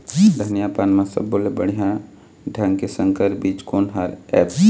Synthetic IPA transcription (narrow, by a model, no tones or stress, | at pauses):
d̪ʱənijapaːnmãsə̰bːoːlebəɽ̤ijã | ɖʱə̃ŋɡkesə̃ŋkəɾbiːt͡ʃkoːnɦəɾɛ̰ːp